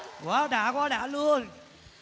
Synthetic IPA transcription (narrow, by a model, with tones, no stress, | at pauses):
kwaː˨˦ɗaː˨˩kwaː˧˦ɗaː˧˩lu˧ən